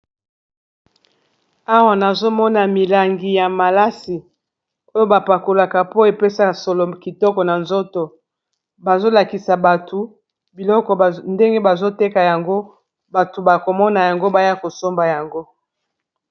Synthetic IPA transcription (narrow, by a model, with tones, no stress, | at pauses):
a˦wa˦na˨zo˦mɔ˦na˨mi˨la˨ŋɡi˨ja˨ma˨la˦si˨ | o˦jo˦ba˨pa˨ko˨la˨ka˨po˦e˨pe˦sa˦˨so˨lo˨ki˨tɔ˦kɔ˨na˨nzo˦to˨ | ba˨zo˦la˨ki˨sa˨ba˨tʰo˨ | bi˨lɔ˦kɔ˨nde˦ŋɡe˦ba˨zo˦te˦ka˨ja˨ŋɡo˦ | ba˨to˨ba˨ko˨mɔ˦na˨ja˨ŋɡo˦ba˨ja˦ko˨so˦mba˨ja˨ŋɡo˦